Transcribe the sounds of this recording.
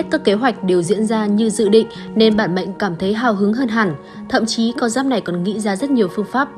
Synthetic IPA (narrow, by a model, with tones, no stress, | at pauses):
t̚kaː˦˥kːe˨˦ɦwa˨˩jk̟̚ɗe˨˩wzḭ˧˥ənzaː˧ɲɨ˧zɨ̰˧˨ɗḭ̈˧˨ŋ̟ | ne˧nɓaː˧˩nɓə̰˧˨jŋ̟kaː˧˩mt̪ʰə˨˦jɦaː˧˩wɦɨ˨˦ŋɦəː˧nɦa˨˧˩ŋ | t̪ʰə̰˧˨mt͡ɕi˨˦kɔ˧zaː˦˥p̚na˨˩jkɔ˨˩nŋḭ˧˥zaː˧zə˦˥t̚ɲi˨˩əwfɨ˧əŋfaː˦˥p̚